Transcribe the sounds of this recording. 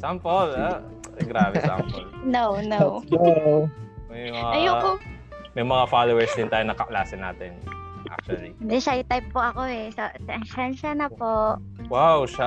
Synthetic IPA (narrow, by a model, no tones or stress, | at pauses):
sampola | ɡɾaːbɛa̰pnownowo | mɐjmɐŋaɐjoo | mɐjmɐŋafalowɛɹsd̪ɪnt̪aːjʊnɐkɐʔlaːsɪnːa̰ːt̪ɛnʔa̰k̚t͡ʃʊɐliɪnd̪ɛʃajʊt̪ajp̚poʔɐkoɛsɐsɛʔɐŋʃɐnʃɐnɐpoʔ | wawʃa